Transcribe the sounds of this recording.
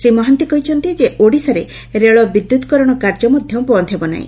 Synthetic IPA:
sɾimɔɦɔnt̪ikɔɦit͡ʃʰɔnt̪id͡ʒeʔoɽisaɾe | ɾeɭɔbid̪ːut̪ɔkɔɾɔɽ̃ɔkaɾd͡ʒɔmɔd̪ʱjɔmpɔɔnt̪ʰebɔna̰ɦḭ̃

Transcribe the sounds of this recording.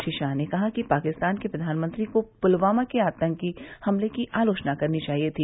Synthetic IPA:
ʃɪʃaːnekɐɦakipaːkɪst̪aːnkepɾɐd̪ʱaːnmə̃nt̪ɾikopʊlʋaːmakeaːt̪ə̃ŋkkihɐmlekiʔaːloːt͡ʃnakɐɾnit͡ʃaːɦiet̪ʰiː

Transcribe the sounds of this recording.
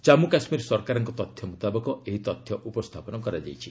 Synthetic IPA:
t͡ʃamukasmiɾsɔɾkaɾɔŋkɔt̪ɔt̪ʰjɔmut̪abɔkɔeɦit̪ɔt̪ʰjɔʔupɔst̪ʰapɔnɔkɔɾad͡ʒa̰jt͡ʃʰi

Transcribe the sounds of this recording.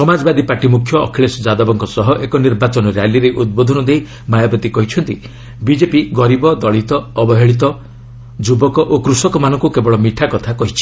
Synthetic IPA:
sɔmad͡ʒɔbad̪ipaɾʈimukʰjɔ̰ːkʰiɭesɔd͡ʒad̪ɔbɔŋkɔsɔɦɔʔekɔniɾbat͡ʃɔnɔɾejaliɾeʔud̪̚bod̪ʱɔnɔd̪ej | majɔpɾɔt̪ikɔɦit͡ʃʰɔnt̪i | bid͡ʒepiɡɔɾibɔd̪ɔɭit̪ɔːbɔɦeɭit̪̬ɔ | d͡ʒubɔkɔʔokɾusɔkɔmanɔŋkukebɔɭɔmiʈʰakɔt̪ʰakɔɦit͡ʃʰi̥

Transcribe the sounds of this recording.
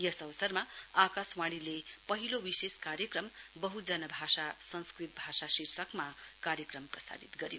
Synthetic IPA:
jʌsʌʋʌsʌrmaakaswaɽ̃ilepʌɦilowiseskaɾjʌkrʌmbʌɦud͡zʌnʌbʱasasʌnskrit̪̚bʱasasirsʌkmakaɾjʌkrʌmprʌst̪a̰bit̪ɡʌɾjo

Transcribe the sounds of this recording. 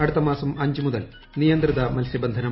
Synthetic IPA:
ɐɽut̪ːɐmaːsɐmɐɲd͡ʑumuðɐl | nijɐnt̪riðɐmɐlsjɐbɐnd̪ʱɐnɐ

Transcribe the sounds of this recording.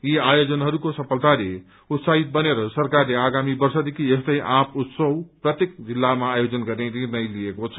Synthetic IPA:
iajod͡zʌnɦʌɾukosʌpʰʌlt̪ale | ut̪saɦit̪̚bʌneɾʌsʌrkarleaɡamibʌrsʌd̪ikʰiest̪ʌjʔãput̪sʌwprʌt̪jek̚d͡zilːamaːjod͡zʌnɡʌɾneɾinʌjlijekot͡sʰʌ

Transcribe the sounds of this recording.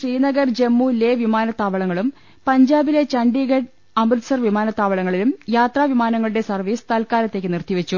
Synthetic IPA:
ʂriːnɐɡɐrd͡ʑe̞mːuːlːeʋimaːnɐt̪ːaːʋɐɭɐŋːɐɭum | pɐɲd͡ʑaːbile̞t͡ɕɐɳɖiɡɐɖ | ɐmrɨsɐrʋimaːnɐt̪ːaːʋɐɭɐŋːɐɭilumjaːt̪raːʋimaːnɐŋːɐɭuɽe̞sɐrʋiːst̪ɐlkaːɾɐt̪ːe̞kːɨnirt̪jiʋɐt͡ɕːu

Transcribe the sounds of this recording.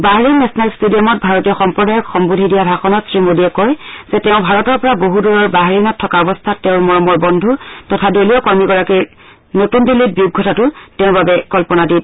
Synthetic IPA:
baɦaɹinɛsɔnalstudiɔmɔt̚bʱaɹotijɔxɔmpɹɔdajɔkxɔmbudʱidijadʱaxɔnɔtsɹimodiɛkɔjz̥ɛtɛʊ̃bʱaɹɔtɔɹpɔɹaboɦuduɹɔɹbaɦaɹinɔtʰːɔkaɔbɔstʰatːɛʊ̃ɹmɔɹɔmɔɹbɔndʱutɔtʰadolijɔkɔɹmiɡɔɹakiɹ | notunbilːit̚biuɡʱːɔtʰatʊtɛʊ̃ɹbabɛkɔlpɔnadit

